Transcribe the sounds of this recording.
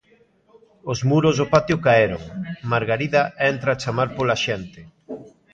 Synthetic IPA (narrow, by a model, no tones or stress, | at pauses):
ozmuɾozopat̪jʊkaeɾoŋmaɾɣaɾiðɐɛnt̪ɾaːt͡ʃamaɾpolaʃɛnt̪ɪ